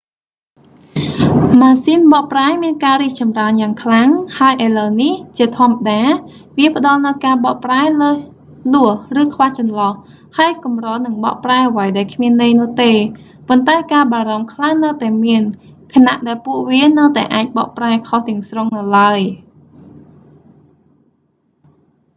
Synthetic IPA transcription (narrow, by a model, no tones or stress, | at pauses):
maːsiːnɓɑʔpraɛmiənkaːriək̚t͡ɕɑmraənjaːŋkʰlaŋhaəjʔələwniht͡ɕiət̪ʰŏəmːaɗaː | ʋiəpə̆ɗɑlnɨwkaːɓɑʔpraɛləː | lʊəhrɨːkʰʋaːht͡ɕɑnlɑh | haəjkumroːlnɨŋɓɑ̰ʔpraɛʔəʋəjɗaɛlkʰmiənːɨjnʊ̆ət̪eː | pont̪aɛkaːɓaːɾɑmkʰlaŋnəwt̪aɛmiənkʰanaʔɗaɛlpuəʔʋiənəwt̪aɛʔaːc̚ɓɑ̰ʔpraɛkʰoht̪ɛ̆əŋsroŋnɨwlaəj